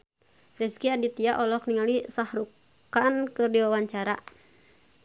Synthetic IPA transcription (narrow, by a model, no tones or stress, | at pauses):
rɛskiadit̪iaʔɔlɔk̚niŋalisahɾuk | ankɨrdiwawaɲt͡ʃaɾa̰